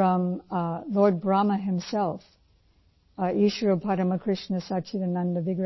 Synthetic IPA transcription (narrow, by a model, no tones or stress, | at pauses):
ʌ̃mlɔɹd̚bɹɑməɦɨ̃msɛlˠf | iʃəɹəpʰaɾəməkʰɹ̥ɪʃnɨsat͡ʃiðɨ̃nʌ̃ndəvɪɡɹ